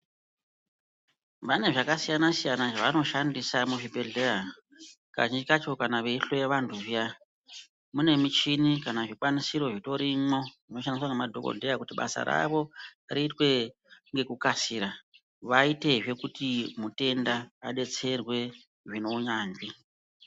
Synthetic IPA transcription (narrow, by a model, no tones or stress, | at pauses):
pane̞ʐakasijanasijanaʐaʋano̞ʃandisamuʐibʱe̞ɮe̞ra | ka̰ʒind͡ʒikat͡ʃo̞kanaʋeiɬe̞ʋantʰuʐija | mune̞mit͡ʃinikanaʐikwanisiɾo̞ʐito̞ɾimo̞ʐino̞ʃandiswaŋemadʱo̞̰ko̞̰ndeakutiɓa̰sa̰ɾa̰ʋo̞riːtwe̞ | ŋɡe̞kukasiːɾa | ʋaite̞ʐe̞kutimute̞ndaːɗe̞t͡se̞rwe̞ | ʐino̞ɲaːnɡi